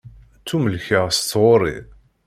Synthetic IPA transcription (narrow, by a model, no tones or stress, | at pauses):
t͡sːuməlçəʁst̪ːʁoɾˤḭ